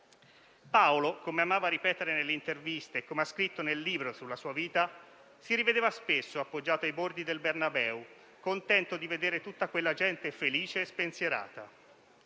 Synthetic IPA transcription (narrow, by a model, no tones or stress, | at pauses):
paolokomeamaːvaɾipɛːt̪eɾenelːeint̪ervist̪eːkːomeaskɾit̪ːonelːiːbɾosulːasuːaviːt̪a | siɾived̪eːvaspesːoapːod͡ʒːaːt̪oajbord̪id̪elbernabɛːu | kont̪ɛnt̪od̪ived̪eːɾet̪ut̪ːakwelːad͡ʒɛnt̪efeliːt͡ʃeːspensjeɾa̰ːt̪a̰